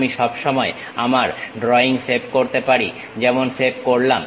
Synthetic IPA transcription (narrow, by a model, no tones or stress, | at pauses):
miʃɔbʃɔmɔe | amaɾɖɾɔiŋfepkoɾt̪epaɾi | d͡ʑɛmonfep̚koɾlam